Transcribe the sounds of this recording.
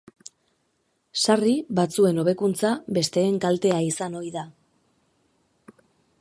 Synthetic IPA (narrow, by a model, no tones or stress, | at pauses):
sariβat͡sue̞no̞β̞e̞kunt͡saβe̞st̪e̞ːŋkalt̪e̞aisano̞jða